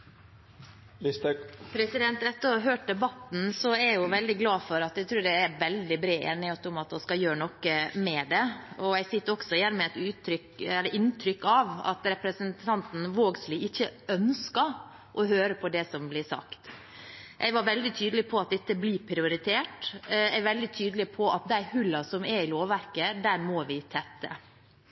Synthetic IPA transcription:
spʰɾɛsɪd̪ɛnt̪ɛt̪ːəɾɔɦøːʈ̚d̪ɛbɑt̪n̩sɔæjʊʋɛld̪ɪɡlɑːfɔɾɑt̪ɛɪt̪ʰɾʉːɾɖææɾʋɛld̪ɪbɾeːʔeːnɪhøːt̪ʊmɑt̪ɔskɑjøːɾəɳɔkːəmɛd̪ɛɔɛɪsɪt̪ːəɾɔksɔjæɾmɛɛt̪ʉːt̪ʰːɾʏkɛlːəɾʔɪnt̪ʰɾʏkːɑʋɑ̰t̪ɾɛpɾəsənt̪ʰɑnt̪n̩ʋoːɡslɪɪçːəœnskɑ | ʔɔɦøːɾəpʰɔd̪ɛsɔmblɪsɑ̰kt̪ | ʔɛɡʋɑɾʋɛld̪ɪt̪ʰyːd̪əlɪpʰɔɑt̪̚d̪ɛt̪ːəblɪɾpʰɾɪʊɾɪt̪ʰeːʈɛʋɛld̪ɪt̪ʰyːd̪lɪpʰɔʔɑt̪̚d̪æɪhʉlːɑsɔmɛɾɪloːʋʋæɾkəd̪æɾmɔʋɪt̪ʰɛt̪ːə̰

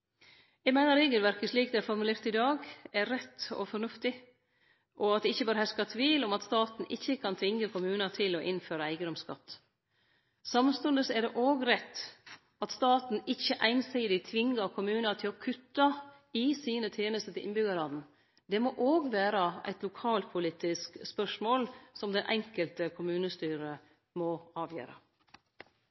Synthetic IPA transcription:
jɛɪɡmæɪnəɾeːɡəlʋæɾkəʂliːk̚d̪ɛæfɔɾmʉlɪft̪ɪd̪ɑːɡɛɾːɛt̪ːɔ̰fɔɳʉft̪ɪ | ʔɔɑt̪̚d̪ɛɪçːəbɑːɾəhɛskɑt̪ʰʋiːlɔmɑt̪st̪ɑːt̪n̩ʔɪçːəkʰɑnt̪ʰʋɪŋːəkʰʊmʉːnɑt̪ʰɪlɔʔɪnføːɾəæɪɡəd̪ɔmskɑ̰t̪ː | sɑmst̪ɔnd̪əsɛɖɛʔoːɡɾɛt̪ː | ɑt̪st̪ɑːt̪n̩ɪçːəʔæɪnsiːd̪ɪt̪ʰʋɪŋːəkʰʊmʉːnət̪ʰɪlɔkʰʉt̪ːɑ | ɪsiːnət̪ʰeːnəst̪ət̪ʰɪlɪ̰nbʏɡɑɾɑd̪n̩ | d̪ɛmoʔoːɡʋæːɾəæ̰ɪt̪lʊkʰɑːlpʰʊliːt̪ɪskspœʂmoːlsɔmd̪ɛnʔɛŋkəlt̪əkʰʊmʉːnəst̪yːɾə | mɔɑːʋjø̰ːɾə̰

